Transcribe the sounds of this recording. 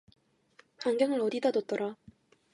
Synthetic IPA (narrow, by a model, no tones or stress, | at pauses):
ɸaŋɡjʌŋɯɭʌdidadʌt͈ʌɾa